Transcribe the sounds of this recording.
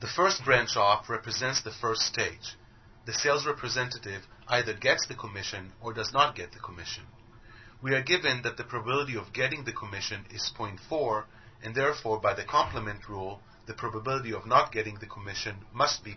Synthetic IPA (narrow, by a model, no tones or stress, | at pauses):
ðɨfɜ˞st̚b̥ɹæ̃nt͡ʃɔfɹɛpɹɨzɛ̃ntsðɨfɜ˞ststʰeɪd͡ʒ | ðɨseɪlˠzɹɛpʰɹɨzɛ̃ntɨɾɪvʔaɪðə˞ɡɛtsðɨkʰəmɪʃɨ̃nə˞dʌznət̚ɡ̥ɛt̪̚ðɨkʰəmɪʃɨ̃n | wiə˞ɡɪvɨ̃nðɨt̪̚ðɨpʰɹ̥ɑbbɪlˠəɾiʌvɡɛɾɪ̃ŋðɨkʰəmɪʃɨ̃nɪz̥pʰɔ̃ɪ̃ntfɔɹ | ʔɨ̃nðɛɹfɔɹbaɪðɨkʰɑ̃mpləmɨ̃ntʰɹulˠ | ðɨpʰɹ̥ɑbəbɪlˠəɾiʌvnət̚ɡ̥ɛɾɪ̃ŋðɨkʰəmɪʃɨ̃nmʌst̚b̥i